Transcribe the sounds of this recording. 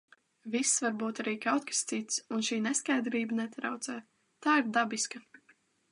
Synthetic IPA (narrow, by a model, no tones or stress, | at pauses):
visːvaɾbuːt̪aɾiːkawt̪̚kḁst̪sit̪sunʃiːnɛskajd̪ɾiːbənɛt̪ɾawt̪sɛː | t̪aːiɾd̪abiska